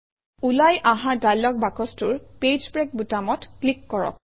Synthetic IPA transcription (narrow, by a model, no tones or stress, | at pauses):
ulajʔaɦadajlːɔk̚bakɔstʊɹped͡ʒpɹɛk̚butamɔtklikːɔɹɔ̰k̚